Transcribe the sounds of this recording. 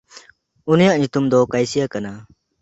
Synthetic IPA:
unijaʔɲut̪umd̪ɔkajsijakana

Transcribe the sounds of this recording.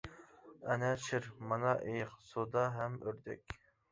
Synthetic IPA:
ɛnɛʃɪɾmɑnɑʔejχsod̪ɑɦɛmøɾd̪ɛ̰kʲ

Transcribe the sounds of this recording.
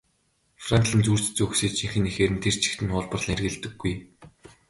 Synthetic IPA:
frant̪ɮə̆nt͡suːr̥t͡ɕt͡suxseːt͡ɕʰiŋxɘ̆nexeːɾɘ̆nt̪ʰer̥t͡ɕʰi̥xt̪ɘ̆nχʊːɮpə̆rɮiːŋerɣɘ̆ɮt̪ɘ̆ɡːuj

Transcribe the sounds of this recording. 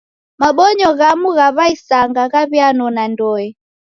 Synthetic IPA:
maɓɔɲɔɣamuɣaβaisaŋɡaɣaβjanɔnandɔɛ

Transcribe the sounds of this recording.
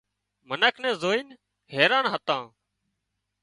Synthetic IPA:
mənəkʰnɛ̃ːzoːiːn | ɦɛːɾãːnɦət̪ãː

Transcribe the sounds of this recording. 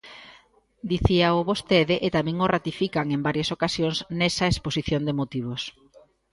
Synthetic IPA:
d̪iθiaoβost̪eðɪʔet̪amẽŋorat̪ifikaŋembaɾjasokasjoŋznesɐesposiθjond̪emot̪iβ̞os

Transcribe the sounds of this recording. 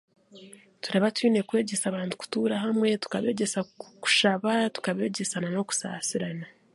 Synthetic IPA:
tuɾaβatwiːne̞kwe̞ːɟe̞saβaːntu̥ku̥tuːɾaɦamŋe̞tu̥kaβe̞ːɟe̞saku̥ʃaβatu̥kaβe̞ːɟe̞sanano̞ku̥sa̰ːsiɾana

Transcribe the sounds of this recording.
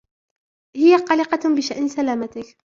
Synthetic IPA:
hɪjaqɑlɪqɑbɪʃaʔnsalaːmat̪ɪk

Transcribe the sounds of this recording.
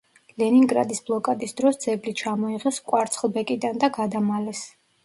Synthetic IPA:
lɛniŋɡɾa̰d̪isblˠɔkʼad̪isd̪ɾɔsd̪z̥ɛblit͡ʃʰamɔiʁɛskʼwaɾt̪sʰχlˠbɛkʼid̪and̪aɡad̪amalɛs

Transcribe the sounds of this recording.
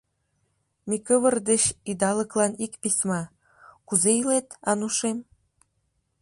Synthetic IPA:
mikəβərd̪et͡ɕid̪ɑləklɑnikpismɑ | kuzeilet̪ɑnuʃem

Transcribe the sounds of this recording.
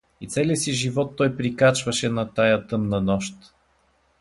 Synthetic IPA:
it̪sɛliəsiʒivɔt̪ːɔjpɾikat͡ʃvɐʃɛnɐt̪ajət̪ɤmnɐnɔʃt̪

